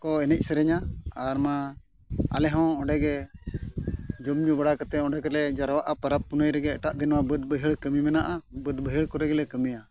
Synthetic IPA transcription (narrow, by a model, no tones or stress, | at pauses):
kɔɛnɛc̚ˀsɛɾɛɲaaɾma | a̰lɛɦɔ̃ɔ̃ɖɛɡɛ | d͡ʒumd͡ʒubaɽakət̪ɛɔ̃ɖɛkɔlɛd͡ʒaɾwaʔapəɾap̚ːunəjɾɛɡɛːʈaʔd̪inmabəd̪̚bəɦiɽkəmimɛnaʔabəd̪bəɦiɽkɔɾɛɡɛlɛkəmija